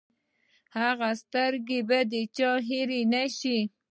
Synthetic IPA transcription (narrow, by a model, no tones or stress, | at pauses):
haɣast̪aɾɡibad̪et͡ʃɑɦiɾinaʃi